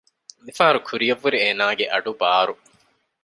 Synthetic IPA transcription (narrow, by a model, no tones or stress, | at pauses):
lifaːɾukʰuɾijɐʋːuɾieːnaːɡeʔɐɖubaːɾu